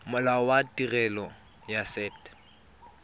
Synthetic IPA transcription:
mʊlaɔwatʼirɛlɔ | jasɛːt

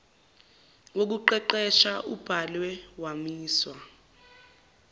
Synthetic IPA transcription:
wok̬uǃɛǃɛʃaʔub̥ʱalwɛwamiːswa

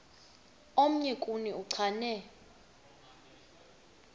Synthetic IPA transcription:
om̩ɲikʼuniuǀʰanɛ

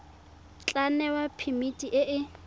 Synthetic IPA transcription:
t͡ɬʼanɛwapʰimitʼiʔɪʔɪ

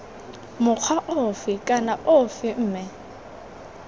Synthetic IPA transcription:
mʊq͡χʰwaʔʊfɪkʼanaʔʊfɪm̩ːmɛ

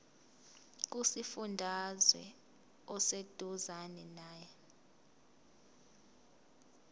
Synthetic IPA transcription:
k̬usifundʱazwɛ̰ | ɔsed̥ʱuzanɛnaːjɛ

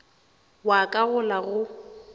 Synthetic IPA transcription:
wakʼaɣʊlaɣʊ

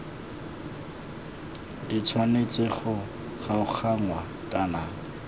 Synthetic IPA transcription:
dit͡sʰwanet͡sɪχʊ | χaʊk͡xʰaŋwa | kʼana

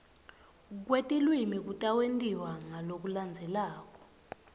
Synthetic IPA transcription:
k̬wetʼilwimik̬utʼawentʼiwaŋalok̬uland͡zʱɛlaːk̬ʼɔ

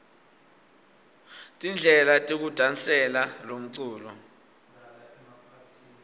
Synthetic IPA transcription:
tʼind͡ɮʱɛlatʼik̬ud̥ʱant͡sʼɛlalom̩ǀuːlɔ

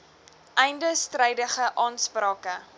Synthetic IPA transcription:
ʔɛjndəstrɛjdəχəʔɑːnsprɑːkə

